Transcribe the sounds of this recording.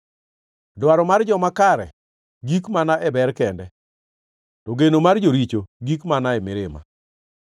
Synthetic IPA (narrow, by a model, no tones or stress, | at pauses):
dwaɾɔmard͡ʒɔmakaɾɛ̰ | ɡikmanaʔɛbɛɾkɛndɛ | tɔɡenomard͡ʒoɾit͡ʃoɡikmanaɛmɪɾɪma̰